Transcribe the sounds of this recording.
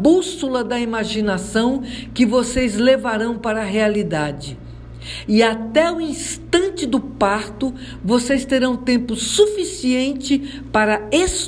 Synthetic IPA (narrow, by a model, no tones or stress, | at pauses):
busulɐd̪ɐimaʒinasɐ̃w̃kɪvosejzlevaɾɐ̃w̃paɾɐɦealid̪ad͡ʒɪ | ɪat̪ɛʊĩst̪ɐ̃nt͡ʃɪd̪ʊpaɾt̪ʊ | vosejst̪eɾɐ̃w̃t̪ẽmpʊsufisiẽnt͡ʃɪ | paɾɐes